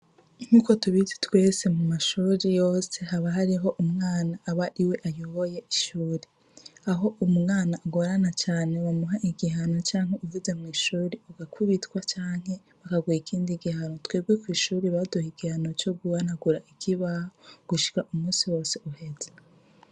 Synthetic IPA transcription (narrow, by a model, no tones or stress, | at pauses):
ŋ̥uko̞tuβizi̥twe̞ːsemumaʃuːɾijo̞ːse̞ɦaβaɦaɾiɦo̞ʔumŋaːnaʔːβaʔiwe̞ʔajoβoje̞ʔiʃuːɾe | aɦo̞ʔumuŋaːnaʔːɡo̞ɾanat͡ʃaːne̞wamuɦaʔiɡiɦano̞t͡ʃaːŋ̥he̞uvuze̞mŋiːʃuːɾeoɡakʰuβitwat͡ʃaːŋ̥he̞ | βakaɡwiikʰiːndiɡihano̞tweːɡwekwiːʃuːɾiβaduhiɡihano̞t͡ʃo̞ɡuβanaɡuɾaʔikʰiβahoɡ̥uʃi̥kaʔumuːsiwo̞ːseuhe̞ze